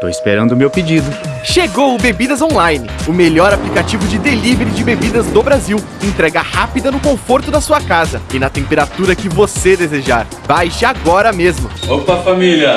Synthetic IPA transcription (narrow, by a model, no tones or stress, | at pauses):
t̪o̰wɪspeɾɐ̃nd̪ʊmewped͡ʒid̪ʊ | ʃeɡowʊbebid̪ɐzõlajnɪʊmeʎɔɾaplikat͡ʃivʊd͡ʒɪd̪eliveɾɪd͡ʒɪbebid̪ɐznobɾaziw | ẽt̪ɾɛɡɐhapid̪ɐnʊkõfoɾt̪ʊd̪ɐsuɐkazɐɪnɐt̪ẽmpeɾat̪uɾɐkɪvosed̪ezeʒaɾ | b̥ajʃɪaɡɔɾɐmezmʊopɐfamilɐ